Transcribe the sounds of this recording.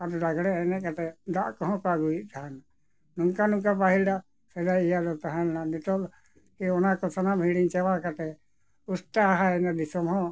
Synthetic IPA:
aɾɔɾaɡɽɛɛnɛkat̪ɛd̪aʔkɔɦɔ̃paɡuiʔt̪aɦana | nũŋkanuŋkapaɦilɖaʔ | sɛd̪aijad̪ɔt̪aɦanːanit̪ɔl | kiɔnakɔsanambʱiɽiɲt͡ʃɛwakat̪ɛ | usʈ̪aɦaɛnad̪isɔmɦɔ̃

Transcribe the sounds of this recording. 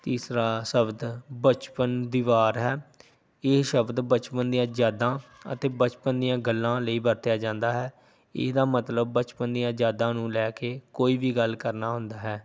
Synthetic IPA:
t̪iːsɾaːsəbd̪bət͡ʃpənd̪iːʋaːɾɦɛː | ɪːʃəbd̪bət͡ʃpənd̪ijãːd͡ʒjaːd̪ãːə̰t̪eːbət͡ʃpənd̪ijãːɡəlːãːləiːbəɾt̪ɪjaːd͡ʒãːnd̪aːɦɛː | ɪ̰d̪aːmət̪ləb̚ːət͡ʃpənd̪ijãːd͡ʒaːd̪ãːnũːlɛːkeːkoːiːʋiːɡəlkəɾnaːɦʊnd̪aːɦɛː

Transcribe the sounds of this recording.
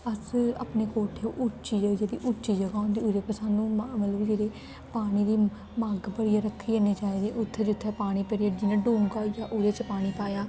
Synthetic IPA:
əsa̰ːpneːkoːʈʰeːʔʊt͡ʃiːd͡ʒəd͡ʒed̪ḭːʔʊt͡ʃiːd͡ʒəɡãːnd̪iːuɾeːpəsaːnũːmət̪ləbd͡ʒeːɾeː | paːɽ̃iːd̪iː | maːɡbəɽiːjaɾəkʰːiːeːneːt͡ʃaːiːd̪eːʔʊt̪ʰːed͡ʒʊt̪ʰːepaːɽ̃iːpeɾiad͡ʒinãːɖuːmkaːjaːʔuːɾeːt͡ʃəpaːɽ̃iːpaːjaː

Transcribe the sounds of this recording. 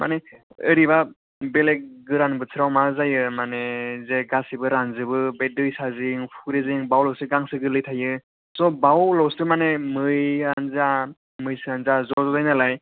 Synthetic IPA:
ma̰ne | ɯɾiba | beleɡɯɾanbɯt͡sʰɯɾawmazajɯmanezeɡasibɯɾanzɯbɯbedɯjsaziŋpʰuɾeziŋbawlɔwsɯɡaŋsɯɡɯlɯjtʰajɯ | sɔbawlɔwsɯmanemɯjanza | mɯjsɯanzazɔzɔdajnalaj

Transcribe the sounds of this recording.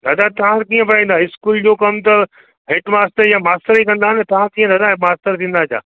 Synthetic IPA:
d̪aːd̪at̪ɐʋãkiːə̃pɐɽaĩːn̆d̪aɪskuːld͡ʑoːkɐmt̪ɐ | ɦeːʈmaːsʈəɾjãmaːsʈəɾiːkɐ̃nd̪aɦɪnt̪ɐʋ̤ãkiːə̃d̪aːd̪amaːsʈəɾt̪ʰĩːnd̪aːd͡ʑʰja̰ː

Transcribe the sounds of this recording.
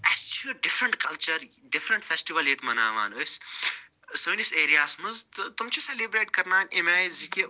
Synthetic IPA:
ɐst͡ʃʰuɖɪfɾɐɳʈkɐlt͡ʃɐɾ | ɖɪfɾɐ̃ɳʈfesʈiʋɐlet̪mɐna̰ːʋa̰ːnos | suːniseːɾijaːsmɐnzt̪t̪umt͡ʃʰiselibɾeːʈkɐɾnaːnʲemaːziki

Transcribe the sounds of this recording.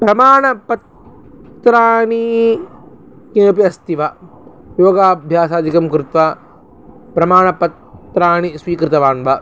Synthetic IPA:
pɾɐmaːɳɐpɐt̪ | ɾaːɳi | kinɐp̬iɐst̪iʋɐ | joːɡaːbʱjaːsaːd̪ʱikɐmkɾɪt̪ʋa | pɾɐmaːɳɐpɐt̪ːɾaːɳisʋiːkɾɪt̪ɐʋaːnʋɐ

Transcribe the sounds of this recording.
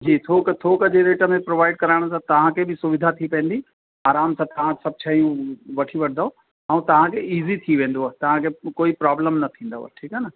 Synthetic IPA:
d͡ʑiːt̪ʰoːkət̪ʰoːkəd͡ʑeɾeːʈəmẽpɾoːʋaːɪɖ̚kɐɾaɪɽ̃sãt̪ɐʋ̤ãkʰebɪsʊʋɪd̪ʱat̪ʰipɐ̃ẽnd̪i | aːɾaːmsãt̪ɐʋ̤ãsɐb̚t͡ɕʰaijũʋɐʈʰiʋɐʈʰd̪ao | ãũt̪ɐʋ̤ãkʰeiːzit̪ʰiʋẽːn̆d̪oat̪ɐʋ̤ãkʰekoːipɾaːbləmnɐt̪ʰĩːnd̪a̰a̰ʈʰiːkanə

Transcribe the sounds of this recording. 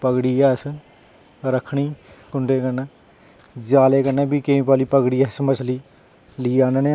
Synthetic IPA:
pəɡɽiːɛːs | ɾəkʰːɳiːkʊɳɖeːkəɾnɛː | d͡ʒaːleːkəɾnɛ̃ːbiːkeĩːpaːliːpəɡɽiːɛːsməsʰliː | liːaːneːneː

